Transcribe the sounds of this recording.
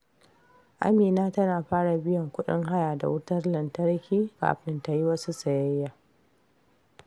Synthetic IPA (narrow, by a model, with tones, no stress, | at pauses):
ʔa̰˦miː˨naː˦tɐ˦naː˨ɸaː˦ɽa˨bɪ˦jɔ˨ŋkʷʊ˦ɗɪ̰˦ŋɦa˦jaː˨da̰˨wʊ˦tɐ˦rlɐ˨ntɐ˦rkʲʰiː˦ka̰ː˨ɸɪ˦nta˨ji˦wɐ˦su˦sɐ˨jɐ˦jːaː˨